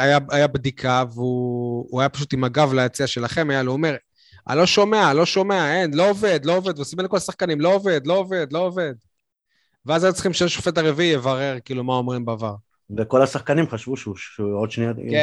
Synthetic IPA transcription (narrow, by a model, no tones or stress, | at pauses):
ajaajabd̪ikʰaveuuajapḁʃ̬ut̪imaɡavlajat͡siaʃe̞laχe̞majaluome̞ʁ | a̰lo̞ʃo̞me̞alo̞ʃo̞meae̞nlo̞ove̞d̪lo̞oved̪veusimelekolasaχkanimlo̞ːve̞d̪lo̞ove̞d̪lo̞ove̞d̪ | veazajut͡sχimʃejeʃo̥fe̞t̪aʁeviijevaʁe̞ʁkiiːlumaomʁimbaːvaʁ | veko̞lasaχkanimχaʃvuʃuod̪ʃneake